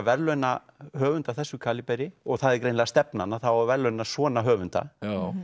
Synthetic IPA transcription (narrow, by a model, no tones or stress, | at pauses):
vɛɾlœɥna | hœːvʏnt̪aθɛsːʏkʰaːlipɛjɾɪɔɣθaðɪɛɾkɾeːjnlɛɣast̪ɛpnanaθawavɛɾlœɥnːasvɔːnaɦœːvʏnt̪a̰